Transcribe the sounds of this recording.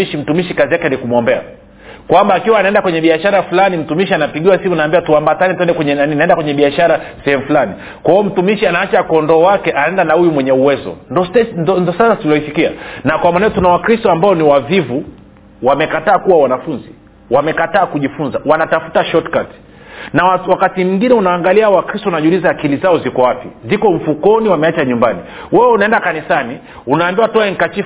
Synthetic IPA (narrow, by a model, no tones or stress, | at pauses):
iʃim̩tumiʃikazijakɛnikumwɔmbɛa̰ | kwambaːkiwaːnaɛndakwɛɲɛɓiaʃaɾafulanim̩tumiʃianapiɠiwasimunaːmbiwatuambatanɛtuɛndɛkwɛɲɛnaninaɛndakwɛɲɛɓiaʃaɾasɛhɛmufulani | kwaɔm̩tumiʃianaat͡ʃakɔndɔwakɛʔanaɛndanahujumwɛɲɛuwɛzɔ̰ndɔsnndɔsasasilɔisikia̰nakwamanɛɔtunawakɾistɔambaɔniwavivu | wamɛkataːkuwawanafunzi | wamɛkataːkuʄifunzawanatafu̥taʃɔtkat | nawawakatimiŋɡinɛunaːŋɡaliawakɾistɔnaʄulizaːkilizaɔzikɔwapizikɔɱ̩fukɔniwamɛat͡ʃaɲumbani | wɛwɛunaɛndakanisani | unaːmbiwatɔɛŋ̩kat͡ʃi